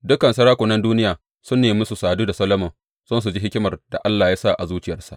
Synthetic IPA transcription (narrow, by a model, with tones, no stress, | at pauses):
dʊ˦kɐ˨nsɐ˦ɽaː˦kʷʊ˨nɐ˦nduː˦nɪ˦jaː˨ | sʊ˦nːeː˨mʊ˦su˨saː˨duː˦da˨sɐ˦lɐ˦mɔ˨ | z̥ɐ˦ns̬u˨d͡ʒi˦ɦɪ˦kʲɪ˦mɐ˨rda˨ʔa˦lːaː˨jaː˦sa˦˨ʔa˨zuː˦t͡ʃɪ˦jɐ˨rsa̰˨ʔ